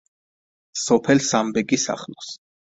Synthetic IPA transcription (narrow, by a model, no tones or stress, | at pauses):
sɔpʰɛlsambɛɡisa̰χlɔs